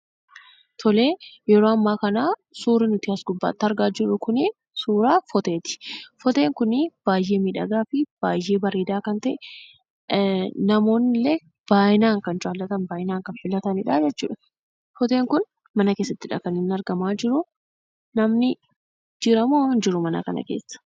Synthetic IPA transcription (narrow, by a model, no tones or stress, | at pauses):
t̪ʰɔle̞ːjɛɾoːɐmːaːkɐnaːsuːɾɪnʊt̪ɪɐsɡʊbːa̰ːt̪ːɐɾɡaːd͡ʒɪrːʊkʊnɪ | suːɾaːfɔt̪e̞ːt̪ɪ̥fɔt̪e̞ːŋkʊnɪb̥aːjːe̞ːmiːᶑɐ̰ɡaːfɪb̥aːje̞ːbɐɾeːd̪aːkɐnt̪ɐʔɛ | nɐmo̞ːnːɪlːeː | b̥aːjɪnaːŋkɐnt͡ʃaːlːɐt̪ɐnbaːʔɪnaːŋkɐnfɪlɐt̪ɐnɪᶑad͡ʒɛt͡ʃːṵːᶑɐ | fɔt̪e̞ːŋkʊn | mɐnɐke̞ːsːɐt̪ːɪᶑɐ̰kɐnɪnːɐɾɡɐmaːd͡ʒɪɾʊ | nɐmnɪ | d͡ʒɪɾɐmond͡ʒɪɾʊmɐnɐ̰kɐ̰nɐ̰keːsːɐ̥